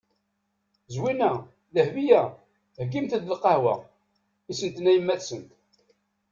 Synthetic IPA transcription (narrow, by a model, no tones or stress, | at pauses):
zwinæ | ðəhvijæ | hɡimt̪əd̪ləqːɑhwæ̰ | isənt̪næjəmːæθsənt̪